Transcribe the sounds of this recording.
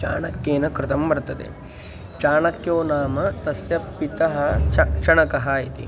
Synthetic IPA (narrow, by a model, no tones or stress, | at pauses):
t͡ʃa̰ːɳɐkːeːnɐkɾɪt̪ɐmbɐɾt̪ɐd̪ḛ | t͡ʃaːɳɐkjoːnaːmɐt̪ɐsjɐpːit̪ɐɦɐkʂɐɳɐkɐɦɐjit̪ḭ